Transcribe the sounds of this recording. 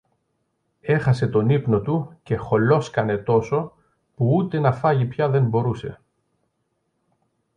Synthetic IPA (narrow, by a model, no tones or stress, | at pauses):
e̞xɐse̞t̪o̞nipno̞t̪uce̞xo̞lo̞skɐne̞t̪o̞so̞ | puut̪e̞nɐfɐʝipçɐðe̞mbo̞ɾuse̞̰